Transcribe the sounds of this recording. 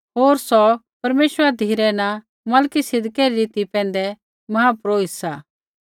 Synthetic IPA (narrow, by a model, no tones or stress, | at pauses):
ɦoːɾsɔ | pɐɾmeːʃwəɾad̪ʱiːɾɛna | mɐːlkisɪd̪kɛɾiɾiːt̪ipɛ̃ːn̆d̪ɛ | mɐɦapɾoːɪsaː